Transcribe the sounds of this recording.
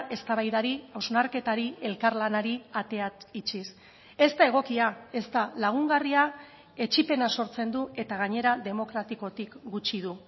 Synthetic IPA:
e̞st̪aβajðaɾiawznaɾke̞t̪aɾie̞lkaɾlanaɾiat̪e̞ait͡ʃis | e̞st̪ae̞ɣ̞o̞kiae̞st̪alaɣ̞uŋɡaria | e̞t͡ʃipe̞naso̞ɾt͡se̞nd̪ue̞t̪aɣ̞aɲe̞ɾaðe̞mo̞kɾat̪iko̞t̪ikɡut͡ʃiðu

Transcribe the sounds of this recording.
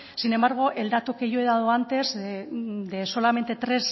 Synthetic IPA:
sine̞mbaɾɣ̞oʔe̞ld̪at̪uke̞joeðaðoant̪e̞z | d̪eso̞lame̞nt̪e̞t̪ɾe̞s

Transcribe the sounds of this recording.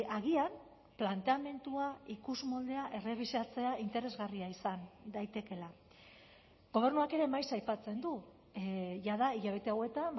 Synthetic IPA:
aɣ̞iam | plant̪e̞ame̞nt̪uaikuzmold̪e̞aʔe̞re̞β̞isat͡se̞aʔint̪e̞ɾe̞zɣariaisand̪ajt̪e̞ke̞la | ɡo̞β̞e̞rnuake̞ɾe̞majsajpat͡se̞nd̪u | ʝaðaiʎaβe̞t̪e̞awe̞t̪am

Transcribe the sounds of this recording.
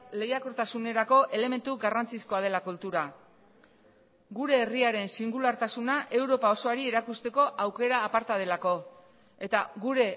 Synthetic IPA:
le̞jako̞ɾt̪asune̞ɾako̞ʔe̞le̞me̞nt̪uɡarant͡sisko̞að̞e̞lakult̪uɾa | ɡuɾe̞ːriaɾe̞nsiŋɡulaɾt̪asunaʔe̞wɾo̞pao̞so̞aɾie̞ɾakust̪e̞ko̞ʔawke̞ɾaːpaɾt̪að̞e̞lako̞ | e̞t̪aɣuɾe̞

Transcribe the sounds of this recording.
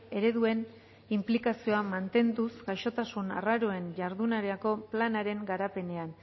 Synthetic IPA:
e̞ɾe̞ðue̞n | implikasio̞amant̪e̞nd̪usɡajʃo̞t̪asuna̰raɾo̞e̞nʝaɾðunaɾeako̞planaɾe̞ŋɡaɾape̞ne̞an

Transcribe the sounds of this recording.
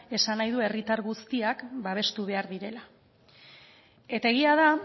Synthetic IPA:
e̞sanajðue̞rit̪aɾɣust̪iakbaβ̞e̞st̪uβ̞e̞aɾðiɾe̞la | e̞t̪ae̞ɣ̞iaða

